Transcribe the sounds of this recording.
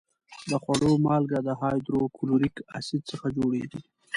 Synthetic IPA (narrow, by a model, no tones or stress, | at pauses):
d̪əxwaɽomɑlɡad̪əɦɑjd̪ɾokʰʊluɾika̰sid̪̚t͡səxad͡ʒoɽed̪i